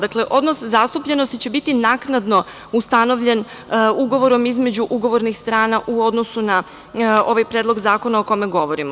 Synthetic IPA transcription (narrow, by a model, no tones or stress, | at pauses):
d̪akle̞ʔo̞d̪noszast̪upʎe̞no̞st̪it͡ɕe̞bit̪inaknad̪no̞ | ust̪ano̞ʋʎe̞n | uɡo̞ʋo̞ɾo̞mizme̞d͡ʑuʔuɡo̞ʋo̞ɾnixst̪ɾaːnaʔuo̞d̪no̞suna | o̞ʋajpɾed̪lo̞ɡzaːko̞naokomeɡo̞ʋo̞ɾimo